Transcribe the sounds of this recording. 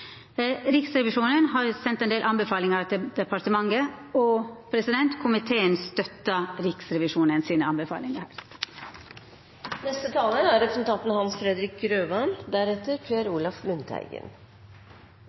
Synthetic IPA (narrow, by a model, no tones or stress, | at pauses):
ɾɪksɾɛʋɪʂuːnənɦɑːɾsɛnt̪ɛndeːlʔɑnbəfɑːlɪŋɑɾt̪ʰɪd̪ɛpɑɾʈ̪əmɑŋəɔpʰɾɛsɪd̪ɛnt̪kʰʊmɪt̪ʰeːənst̪œt̪ːɑɾɪksɾɛʋɪʂuːnənsiːnəɑnbəfɑ̰ːlɪŋəhæ̰ːɾ | nɛst̪ət̪ʰɑːləæɾɾɛpɾəsnt̪ʰɑnt̪n̩hɑnsfɾɛd̪ɾɪk̚ɾøːʋɑnd̪æɾɛt̪əɾpʰeæɾuːlɑfmʉnt̪ʰæ̰ɪɡə̰n